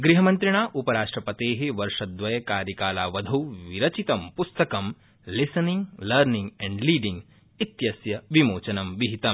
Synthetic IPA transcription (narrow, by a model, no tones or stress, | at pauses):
ɡɾiɦɐmɐ̃nt̪ɾiɳaːʔupɐɾaːʂʈɾɐpɐt̪eːɦiʋɐɾʂɐd̪ʋɐjɐkaːɾjɐkaːlaːʋɐd̪ʱɐwʋiɾɐt͡ʃit̪ɐmpust̪ɐkɐm | lisɐniŋɡlɐɾnĩŋɡɛ̃ɳɖliːɖĩŋɡ | it̪jɐsjɐʋimoːt͡ʃɐnɐmʋiɦit̪ɐm